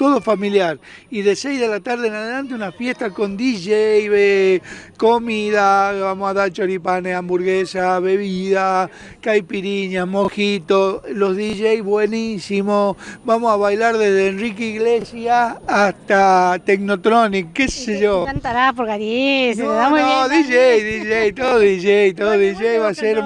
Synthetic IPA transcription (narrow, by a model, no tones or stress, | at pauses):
t̪oðo̞familjaɾiðe̞sejzðelat̪aɾðeenaðelãnt̪eunafje̞st̪ako̞nd̪iʒejβekomiðaβamosaðaɾt͡ʃoɾipaneambuɾɣesaβe̞βiða | kajpiɾiɲasmoxit̪olo̞zðiʒejβwe̞nisimobamosaβajlaɾðezðeːnrikiɣlesjaːst̪at̪eknot̪ɾonikkːeseʒokant̪aɾapoɾɣaɾjeseðamooðiʒejðiʒejt̪oðoðiʒejt̪oðoðiʒejβaseɾ